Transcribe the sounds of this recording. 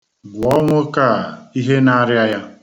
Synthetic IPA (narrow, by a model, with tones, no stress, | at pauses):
ɡʊ˨ɔ˦ŋʷʊ˦ka˦˨i˦ɦe˦na˦ɾja˦ja˦